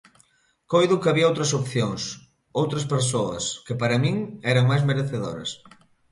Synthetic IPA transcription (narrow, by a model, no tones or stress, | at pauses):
kojðʊkɐβiɐowt̪ɾɐsopθjoŋs | owt̪ɾɐspeɾsoɐ̰skɪpaɾɐmĩŋɛɾɐŋmajzmeɾeθeðo̰ɾɐ̰s